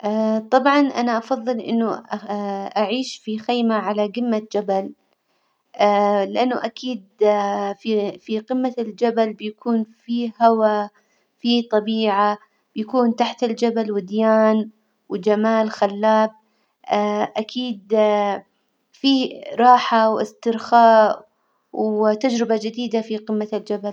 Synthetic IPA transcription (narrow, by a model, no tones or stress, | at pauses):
ʔaːt̪ˤɑbʕɑnʔanaʔɑfɑðˤːɨlʔɪ̰nːʊ | ʔaʕiːʃfixejmaʕalaɡɪmːad͡ʒabal | lɪʔanːʊʔakʰiːd̪̚fifiqɪmːald͡ʒabalbɪjakʰuːnfihawa | fit̪ˤɑbiːʕa | bjakuːnt̪aħt̪ɪld͡ʒabalwɪd̪jaːn | wd͡ʒamaːlxalːaːb̚ | ʔakʰiːd̪ | fiɾˤɑːħawʔɪ̰st̪ɪɾxaːʔ | wt̪ad͡ʒɾɪbad͡ʒɪd̪iːd̪afiqɪmːald͡ʒabal